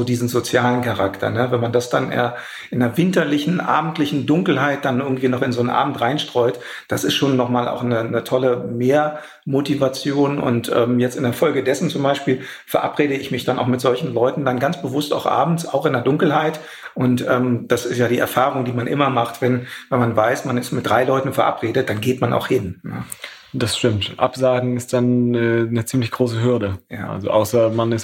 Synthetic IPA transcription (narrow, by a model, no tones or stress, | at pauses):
zoːdiːzn̩zot͡sjaːlənkaʁaktʰɐ̰nəvɛnmandasd̥anʔḛːɐ | ʔɪndɐɐvɪntɐlɪçn̩ʔa̰ːbm̩tlɪçn̩dʊŋkl̩ɦaɪt̚d̥anʔɪɐɡŋ̩tv̥iːnɔχɪnzoːnʔa̰ːbm̩tʁaɪnʃtʁ̥ɔʏt | d̥asɪstʃoːnːɔχmaːlʔa̰ʊxnənətʰɔləmeːɐ | motivat͡sjoːnʊ̰ntʔɛ̰ːmjɛt͡stɪndɛɐfɔlɡədɛsn̩t͡sʊmbaɪʃpiːl | fɛɐʔapʁeːɾəɪçmɪçd̥anʔa̰ʊxmɪtz̥ɔlçn̩lɔʏtn̩danɡant͡sb̥əvʊstaʊxʔa̰ːbm̩t͡sa̰ʊxɪndeːɐdʊŋkl̩ɦaɪt | ʔʊntʔɛːmd̥asɪstjaːdiːʔɛ̰ɐfaːʁ̞ʊŋdiːmanʔɪmɐmaχtv̥ɛnvɛnmanvaɪsmanɪstmɪt̚d̥ʁaɪlɔʏtn̩fɛɐʔa̰pʁ̥eːdət̚d̥anɡeːtmana̰ʊxhɪnnə̰ | d̥asʃtɪmtʔa̰pz̥aːɡŋ̩ɪst̚d̥anɛːnət͡siːmlɪçɡ̥ʁoːsəɦʏɐdəja̰ːa̰lzo̰ʔaʊsɐmanɪs